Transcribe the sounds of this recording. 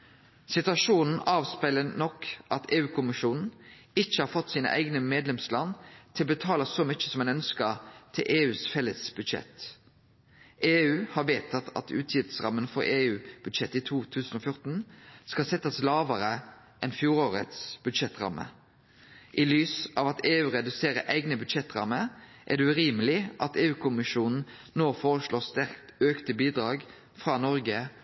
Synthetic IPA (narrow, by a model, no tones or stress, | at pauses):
sɪt̪ʉɑʃuːnn̩ɑːʋspæɪlənɔkːʔɑt̪ʰeːʉːkʰʊmɪʃuːnn̩ | ɪçːəhɑːɾfɔt̪ːsiːnə̰ʔæ̰ɪɡnəmeːd̪lɛmslɑnt̪ʰɪlbət̪ʰɑːləsɔmʏçə̥sɔmɛɪnœnskət̪ʰɪlʔeːʉːsfɛlːəsb̥ʉd̪ʃɛ̰t̪ | eːʉːhɑʁʋeːt̪ʰɑt̪ʰɑ̰t̪ʰʉ̰ːt̪ʰjɪft̪sʁɑ̰mːənfɔɾeːʉːb̥ʉd̪ʃɛt̪ːiːt̪ʰuːt̪ʰʉːsən̩oːfjʊʁt̪n̩skɑsɛt̪ːɑslɑːʋəɾə | ʔɛnfjuːʁoːʁə̰t̪sb̥ʉd̪ʃɛt̪ːʁɑ̰mʔə̰ | ʔɪlyːsʔɑːʋɑt̪eːʉːʁɛd̪ʉseːɾə̰ʔæɪɡnəbʉd̪ʃɛt̪ːʁɑ̰məɾʔæ̰ɖ̪ɛʉʁiːməlɪʔɑt̪eːʉːkʰʊmɪʃuːnn̩ | noːfoːʁəʃloːst̪æʁkt̪øːkt̪əbiːd̪ʁɑːɡ | fʁɑːnɔʁɡə